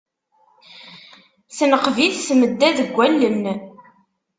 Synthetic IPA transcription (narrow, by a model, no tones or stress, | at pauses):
θənəqviθsməd̪ːæðəɡʷːælːənː